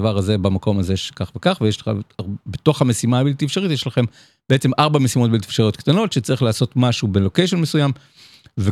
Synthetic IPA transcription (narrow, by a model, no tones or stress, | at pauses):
vaʁhaze̞bamako̞maze̞ʃe̥kaχvekaχvejeʃleχa̰beto̞χhame̞simaːbilt̪ifʃaʁit̪jeʃlaχe̞m | beet͡se̞mʔaʁbamesimo̞t̚biltifʃaʁijo̞t̪kt̪ano̞tʃet͡saʁiχlaːso̞t̪maʃubelo̞ke̞jʃ̬onmesujam | ve